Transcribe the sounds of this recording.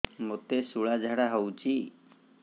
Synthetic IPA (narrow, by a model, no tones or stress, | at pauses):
mot̪esuɭad͡ʒʱaɽaɦɔwt͡ʃi